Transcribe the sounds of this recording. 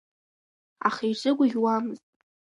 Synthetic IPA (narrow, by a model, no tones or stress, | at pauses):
a̰χijʈ͡ʂʷʼɨɡʷʼʊɡʲwamɨztʼ